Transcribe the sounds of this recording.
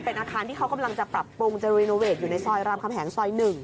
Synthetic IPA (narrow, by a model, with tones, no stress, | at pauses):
pe˧nʔaː˧kʰaː˧nt̪ʰiː˥˩kʰa˦˥wka˧mla˧ŋt͡ɕa˨˩pɾa˨˩pːu˧ŋt͡ɕa˧ɾiː˧noː˧weː˨˩t̪̚juː˨˩na˧jsɔː˧jɾaː˧mkʰa˧mhʰɦɛ˩˦ŋsɔː˧jnɯ˨˩ŋ